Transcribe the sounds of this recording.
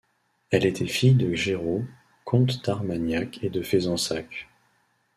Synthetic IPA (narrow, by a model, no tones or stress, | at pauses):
ɛlet̪ʰɛfijd̪əʒeʁo | kʰɔ̃t̪d̪̥aʁmanjakʰed̪əfezɑ̃sak